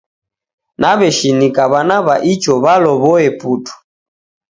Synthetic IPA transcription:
naβɛʃinikaβanaβaʔit͡ʃɔβalɔβɔɛputu̥

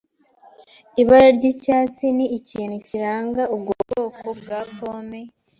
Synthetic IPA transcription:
iβaɾoɾɟicaːt͡siniːciːn̥uciɾaːŋɡaub̚ɡoɡokobɡaːkoːme

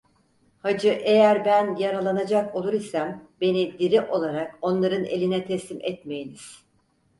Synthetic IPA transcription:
had͡ʒɯʔe̞jæɾbænjaɾalˠanad͡ʒakolˠuɾisambe̞nid̪iɾiʔo̞lˠaɾako̞nlˠaɾɯnelʲinɛt̪ʰɛslʲimʔɛt̪me̞jiniz̥

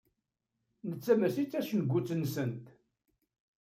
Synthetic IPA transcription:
nət͡sːæmæsit͡sːæʃənɡʷːut͡sːənsənt̪

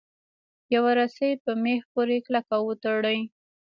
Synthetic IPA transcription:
jawaɾasəjpəmexpoɾeklakawət̪əɽəj

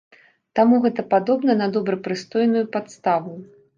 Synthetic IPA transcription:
t̪amuɣɛt̪ɐpad̪ɔbnɐnɐd̪ɔbɾɐpɾɨst̪ɔjnujupat̪st̪avu

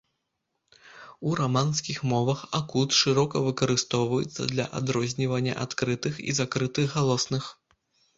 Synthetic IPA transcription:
uɾamanskʲixmɔvɐxakut̪ʂɨɾɔkɐvɨkɐɾɨst̪ɔwvɐjɛ̰t̪sːɐ̰d̪lʲɐ̰ʔa̰d̪ɾɔzʲnʲivɐnʲːɐ̰ʔat̪kɾɨt̪ɨxḭzakɾɨt̪ɨxɣːalˠɔsnɨx

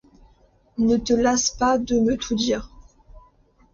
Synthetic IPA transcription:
nət̪əlaspad̪əmət̪ʰud̪iːʁ

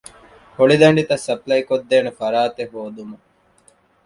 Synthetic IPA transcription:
hoɽid̪ɐɳɖit̪ɐsɐplɐjkod̪ːeːnɐfɐɾaːt̪eɦoːd̪umɐ

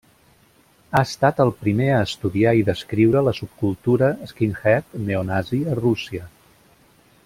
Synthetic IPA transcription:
aəst̪at̪əlˠpɾimeəːst̪uðiaiðəskɾiwɾələsup̚kulˠt̪uɾəːskinxɛt̪neunaziərusiə

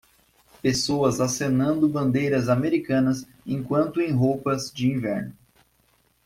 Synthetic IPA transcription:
pesoɐzasenɐ̃nd̪ʊbɐ̃nd̪ejɾɐzameɾikɐ̃nɐs | ẽkwɐ̃nt̪ʊẽj̃ɦowpɐzd͡ʒɪĩvɛɾnʊ

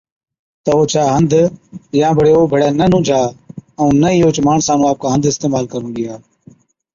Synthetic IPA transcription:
t̪əoːt͡ʃʰaːɦənd̪ʱjãːbʱəɽeːoːbʱəɽeːnənũːd͡ʒʱaːəũːnəiːoːt͡ʃmaːɳsaːnũːaːp̚kaːɦə̃nd̪ʱɪst̪eːmaːlkəɾũːɡɪjaː

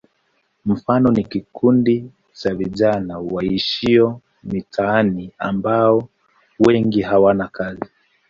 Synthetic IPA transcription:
m̩fanɔnikikʰundi | t͡ʃaviʄanawaiʃiɔ | mitʰaːnia̰mbaɔ | wɛŋɡiɦawanakazi

